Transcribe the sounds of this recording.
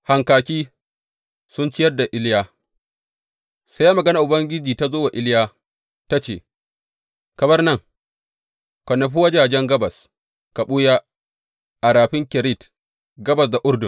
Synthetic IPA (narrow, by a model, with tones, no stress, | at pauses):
ha˨ŋkaː˨kʲiː˦ | sʊ˦nt͡ʃɪ˦jɐ˦rda˨ʔɪ˦ljaː˦ | sa˦jaː˦mɐ˨ɡɐ˦na˨ʔʊ˨bɐ˦ŋɡʲɪ˦d͡ʒiː˨ta˦zoː˦wa˨ʔɪ˦ljaː˦ | ta˦t͡ʃḛː˨ | kɐ˨bɐ˦rnɐ˦˨ŋ | kʷɐ˨nːɐ˨ɸ̬u˦wa˦d͡ʒaː˨d͡ʒɛ˦ŋɡɐ˦bɐ˨s | ka˨ɓuː˦jaː˦ | ʔa˨ɾaː˨ɸɪ˦ŋkʲɛ˨ɾi˦˨t | ɡɐ˦bɐ˨s̬da˨ʔʊ˦rdʊ˨